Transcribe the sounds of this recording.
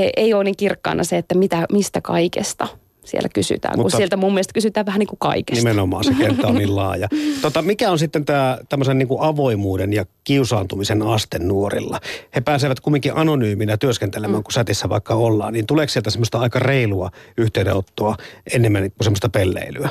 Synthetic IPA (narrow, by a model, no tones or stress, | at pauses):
eʔeioːniŋkirkːɑ̰inʔɑ̰seet̪ːæmit̪æmist̪ækɑ̰ikḛst̪ɑ | siḛlæ̥kysy̰t̪æ̰ːŋmutusielt̪æmumielest̪kysyt̪æːʋʋæhæniŋkukɑ̰ike̥nimenomɑ̰ːnsek̪ent̪ːɑonniːllɑːjɑt̪ot̪ːɑmikæonsit̪ːent̪æːt̪æmːøsenniːŋkuʔɑʋoimuːdenjɑkiusɑːnt̪umisenɑst̪ennuorḭlːɑhepæːseʋæt̪̚kumːiŋkiʔɑnonyːminæt̪yøskent̪elemæːŋkusæt̪isːæʋɑ̰ˑikːɑolːɑ̰ːnniːnt̪uleˑːksielt̪æsemːost̪ɑɑˑikɑreiluɑyht̪eˑydḛot̪ːoɑʔenːemːænkusemːost̪ɑpelːḛˑilyæ